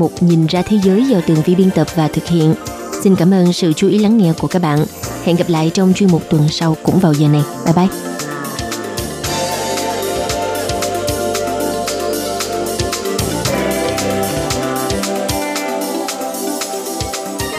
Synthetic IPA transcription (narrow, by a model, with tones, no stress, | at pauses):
mʊ˨˩k͡p̚ɲi˨˩nzaː˧t̪ʰe˨˦zəː˨˦jzaː˧˩t̪ɨ˨˩əŋvḭ˧ɓi˧ənt̪ə˨˩p̚vaː˨˩t̪ʰɨ˨˩k̚hḭ˧˨ən | si˧nkaː˧˩mʔəː˧nsɨ̰˧˨t͡ɕu˨˦ʔi˨˦la˨˦ŋːɛ̰˧ku˧˩əkaː˦˥k̚ɓa̰ː˧˨nhɛ̰˧˨nɣa˨˩p̚la̰ː˧˨jt͡ɕɔ˧wŋ͡mt͡ɕwi˧əmʊ˨˩k͡p̚t̪wə˨˩nsa˧wkʊ̰˧˥ŋ͡mvaː˨˩wzəː˨˩na˨˩jɓa̰˧˩jɓa˧˩j